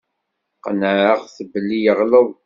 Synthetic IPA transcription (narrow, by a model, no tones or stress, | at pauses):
qənəʕəʁθəbəlːijəʁləw